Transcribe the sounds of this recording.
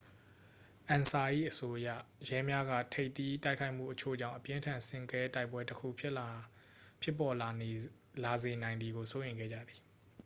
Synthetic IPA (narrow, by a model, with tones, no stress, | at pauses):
ʔã˨nsa˨ʔḭ˦˨ʔəso˦ʔəjä̰˦˨jɛ˦mja˦ɡä̰˦˨tʰe˦ɪʔt̪i˦ta˦ɪkʰa˦ɪʔm̥ṵ˦˨ʔət͡ɕʰo̰˦˨d͡ʑã̰˦˨ʊ̃ʔəpjɪ̃˦ntʰã˨nsɪ̃˦ŋkɛ˦ta˦ɪpwɛ˦təkʰṵ˦˨pʰjɪ˦ʔ | pʰjɪ˦˨pːɔ˨ | la˨ze˨nã˨ɪ̃nd̪ði˨ɡo˨so˦ʔẽ˨ŋɡɛ̰˦˨d͡ʑä̰˦˨d̪ði˨